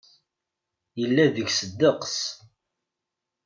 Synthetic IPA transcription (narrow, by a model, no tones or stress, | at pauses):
jəlːæðəʝsəd̪ːəqs